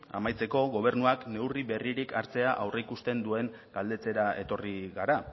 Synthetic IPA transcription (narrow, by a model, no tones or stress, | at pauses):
a̰majt͡se̞ko̞ɣo̞β̞e̞ɾnuakne̞wriβe̞riɾikaɾt͡se̞aʔawre̞ikust̪e̞nd̪ue̞ŋ | ɡ̥ald̪e̞t͡se̞ɾae̞t̪o̞riɣaɾa